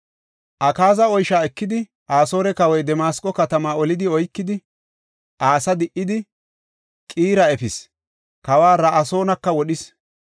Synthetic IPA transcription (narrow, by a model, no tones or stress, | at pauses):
ʔɐkaːzɐɔjʃaːɛkːɪd̪ɪ | ʔaːso̞ːɾɛkɐwɔjd̪ɛmaːskʼːɔkɐt̪ɐmaːɔlɪd̪ɪɔjkːɪd̪ɪ | ʔaːsɐd̪ɪʔːɪd̪ɪ | kʼiːɾɐɛfɪs | kɐwaːɾɐʔɐso̞ːnɐkːɐwɔɗɪs